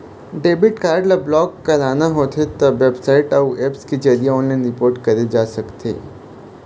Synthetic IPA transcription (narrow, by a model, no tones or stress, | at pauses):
ɖeːbɪʈkaːɾɖlablɔːkːɐɾaːnaɦot̪ʰet̪ɐʋebsaːɪʈauʔepskid͡ʒɐɾijaɔːnlaːɪ̃nɾɪpoːɾʈkɐɾed͡ʒaːsɐkt̪ʰḛː